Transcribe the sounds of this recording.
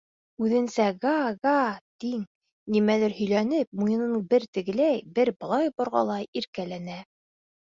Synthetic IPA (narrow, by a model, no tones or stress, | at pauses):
ʉðɘ̆nsæɡɑɡɑt̪iŋ | nimælæɾhɵ̆jlænɘp̚mujɤ̆nɤ̆bɘɾt̪ɘ̆ɡɘ̆læjbɘɾbɤ̆lˠɑjbŏɾʁɑ̰lˠɑjiɾkælænæ